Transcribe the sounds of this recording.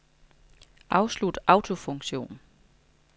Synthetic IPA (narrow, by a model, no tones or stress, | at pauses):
ʔɑ̈ʊslud̥ʔɑ̈ʊt͡sʰo̝fɔ̽ŋɕo̝̰ːn